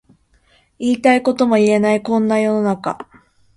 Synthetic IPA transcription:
iːt̪aiko̞t̪o̞mo̞ie̞naikõ̞nːajo̞no̞naka̰

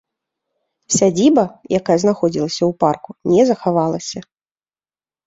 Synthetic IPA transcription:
sʲad͡zʲibɐjakajɐznaxɔd͡zʲilˠɐsʲɐwparkunʲɛzɐxavalˠɐsʲɐ

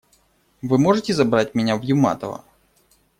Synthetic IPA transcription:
vɨmoʐɨtʲɪzɐbɾatʲmʲɪnʲavjʊma̰t̪ə̰vɐ̰

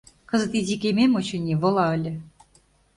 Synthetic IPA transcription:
kɤ̆zɤ̆t̪izʲikʲemʲemot͡ɕɤ̆nʲiβɤ̆lˠɑɤ̆lʲɘ̆

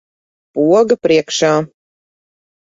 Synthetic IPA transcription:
puɔɡɐpɾʔiɛkʃaː

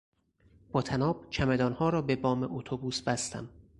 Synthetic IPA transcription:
b̥ɒːt̪ʰænɒːb̥̚t͡ʃʰæmed̪ɒːnhɒːɾɒːbebɒːmeʔot̪ʰobuːsbæst̪æ̰m

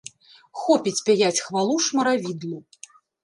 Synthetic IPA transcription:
xɔpʲit͡sʲpʲajat͡sʲxvalˠuʂmɐɾavʲid̪lˠu

